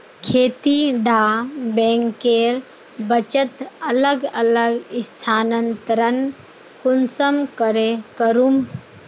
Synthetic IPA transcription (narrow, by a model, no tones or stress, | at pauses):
kʰeːt̪iɖaːbẽːŋkeːɾ | bət͡ʃət̪ələɡələɡɪst̪ʰaːnənt̪ɾən | kʊnsəmkəɾekəɾum